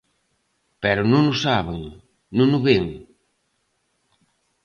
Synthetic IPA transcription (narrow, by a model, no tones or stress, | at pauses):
pɛɾʊnũŋʊsaβeŋ | nõŋʊβeŋ